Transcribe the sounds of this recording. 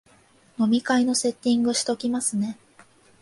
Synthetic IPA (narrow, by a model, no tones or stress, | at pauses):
no̞mʲikaino̞se̞t̪ʲːĩŋɡɯɕi̥t̪o̞kʲimasɨne̞